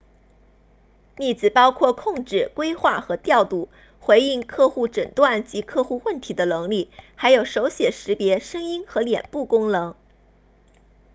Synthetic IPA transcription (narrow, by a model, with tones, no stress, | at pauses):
mi˥˩t͡sɹ̩˨˩pɑ˥ʊkʰwɔ˥˩kʰʊ˥˧ŋʈ͡ʂɻ̩˥˩kwe˥ɪxwa˥˩xɤ˧˥t̪jɑ˥˧ʊt̪u˥˩ | xwe˧˥ɪi˥˧ŋkʰɤ˥˧xu˥˩ʈ͡ʂə˨˩nt̪wa˥˩nt͡ɕi˧˥kʰɤ˥˧xu˥˧wə˥˩nt̪ʰi˧˥d̪ə˧nɤ˧˥ŋli˥˩xa˧˥ɪjo˨˩ʊʂo˧˥ʊɕjɛ˨˩ʂɻ̩˧˥pjɛ˧˥ʂɤ˥ŋi˥nxɤ˧˥ljɛ̰˨˩npu˥˩kʊ˥ŋnɤ˧˥ŋ